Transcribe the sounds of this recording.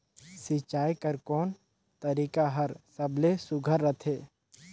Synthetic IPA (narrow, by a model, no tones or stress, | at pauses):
sit͡ʃaːjkəɾkɔːn | t̪əɾiːkaɦəɾsəblesʊɡʱəɾːət̪ʰeː